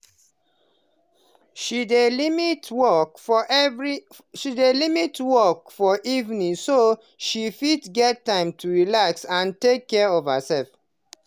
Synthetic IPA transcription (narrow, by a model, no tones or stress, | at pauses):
ʃidelimitwɔkɹi | ʃidelimitwɔkfɔʔivnĩŋso | ʃifitɡɛtːãɪ̃mtʰuɹilaksãntekʰːɛɔvhəsɛlf